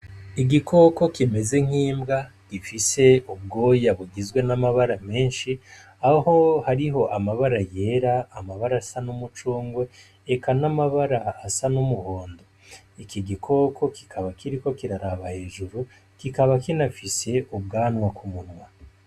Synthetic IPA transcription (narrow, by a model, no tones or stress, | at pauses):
iɡikʰo̞ko̞kime̞ze̞ŋ̥hiːmbɡa | ɡ̥ifise̞ub̚ɡo̞ːjaβuɡizɡwe̞namaβaɾame̞ːnʃi | aho̞haɾiɦo̞ʔamaβaɾaje̞ːɾaːmaβaɾasanumut͡ʃuːŋɡwe̞ː | kʰanamaβaɾaːsanumuhoːndo | ikʰiɡikʰo̞kʰo̞ki̥kʰaβakʰiɾiko̞kiɾaɾaβahe̞ːʒuɾu | kikaβakinafise̞ʔub̚ɡaːnwakʰumunŋwa